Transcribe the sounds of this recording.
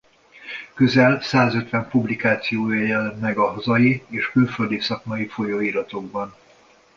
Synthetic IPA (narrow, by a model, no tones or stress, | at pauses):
køzɛlsaːzøt̪ʋɛmpublikaːt̪sijoːjɛjɛlɛmmɛɡɒɦɒzɒjieːʃkylfø̞ld̪isɒkmɒjifo̞joiɾɒt̪o̞ɡ̚bɒn